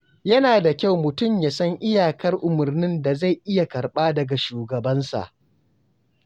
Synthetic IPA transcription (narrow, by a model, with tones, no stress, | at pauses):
jɐ˦naː˨da˨kʲa˦˨wmʊ˨tʊ˦˨mja˨sɐ˦ŋʔɪ˦jaː˨kɐ˦rʔʊ˨mʊ˨rnɪ˦nda˨za˦˨jʔɪ˦ja˨kɐ˨rɓaː˦dɐ˨ɡa˨ʃuː˨ɡɐ˨bɐ˦nsa̰˨ʔ